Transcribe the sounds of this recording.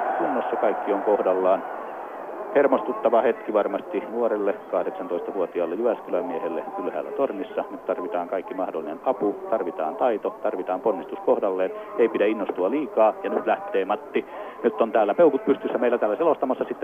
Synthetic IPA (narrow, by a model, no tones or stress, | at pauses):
kunːosːɑkɑikːioŋkohdɑlːɑːn | hermost̪ut̪ːɑʋɑhet̪kiʋɑrmɑst̪inuorelːekɑhɾeksɑnt̪oist̪ɑʋuot̪iɑːlːejyʋæskylæmiehelːekylhæ̰ːlːæ̰t̪ornisːɑnyt̪t̪ɑrʋit̪ɑːŋkɑikːimɑhdolːinenɑput̪ɑrʋit̪ɑ̰ːnt̪ɑit̪ot̪ɑrʋit̪ɑːmponːist̪uskohdɑlːeːneipidæinːost̪uɑliːkɑːjɑnyt̪læht̪ˑeːmɑt̪ːinyt̪ːont̪æːlːæpeukut̪̚pyst̪ysːæmeilːˑæt̪æːlːæselost̪ɑmɑsːɑsit̪ːe